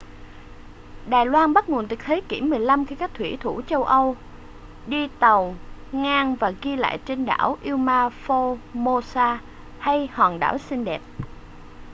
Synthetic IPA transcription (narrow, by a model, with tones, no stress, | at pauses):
ɗaː˨˩jlwaː˧nɓa˦˥t̚ŋo˨˩ənt̪i˨˩k̚hʰe˨˦kḭ˧˩əmːɨ˨˩əjla˧mxi˧kaː˦˥k̚t̪ʰwḭ˧˩t̪ʰu˧˩t͡ɕə˧wʔə˧w | ɗi˧t̪ə˨˩wŋaː˧ŋvaː˨˩ɣi˧la̰ː˧˨jt͡ɕe˧nɗa̰ː˧˩wʔi˧wmaː˧fo˧mo˧saː˧ | ha˧jhwaː˨˩nɗa̰ː˧˩wsï˧ŋɗɛ˨˩p̚